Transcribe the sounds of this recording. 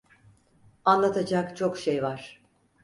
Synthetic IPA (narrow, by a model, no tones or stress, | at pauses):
anlˠat̪ʰad͡ʒakt͡ʃʰo̞kʃejvaɾ̥